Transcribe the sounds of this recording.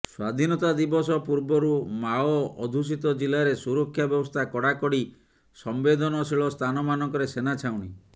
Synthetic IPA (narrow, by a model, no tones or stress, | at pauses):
swad̪ʱinɔt̪ad̪ibɔsɔpuɾbɔɾumaɔɔd̪ʱus̬it̪ɔd͡ʒilaɾesuɾɔkʰːjabjɔbɔst̪ʰakɔɽakɔɽi | sɔmbed̪ʱɔnɔsiɭɔst̪ʰanɔmanɔŋkɔɾesenat͡ʃʰauw̃ɽ̃i